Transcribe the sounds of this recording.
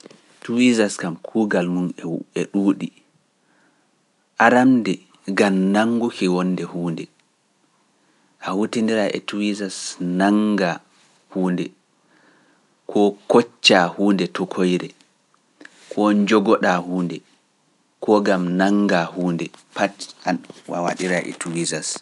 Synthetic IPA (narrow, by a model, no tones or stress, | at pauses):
tuwizaskamkʰuːɡalmunɛɛɗuːɗi | ʔaɾamdɛ | ɡamnaŋɡukɛwɔnːdɛhuːndɛ | ʔahutindiɾaʔɛ̰tuwizasnaŋɡa | huːndɛ | kʰɔkɔt͡ʃːahuːndɛtɔkʰojɾɛ | kʰɔd͡ʒɔɡɔɗahuːndɛ | kʰɔɡamnaŋɡahuːndɛpatawa̰wa̰ɗiɾaʔɛ̰tuwizas